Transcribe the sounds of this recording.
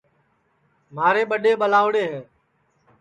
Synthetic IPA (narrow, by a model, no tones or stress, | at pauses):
maːɾeːɓəɗeːɓəlaːʊɽeːɦẽː